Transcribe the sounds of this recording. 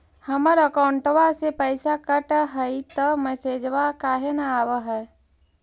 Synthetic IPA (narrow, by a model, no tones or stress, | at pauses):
həməɾəkaʊɳʈʋasepəjsakəʈɦəit̪əmɛseːd͡ʒʋakaːɦenaaːʋəɦəː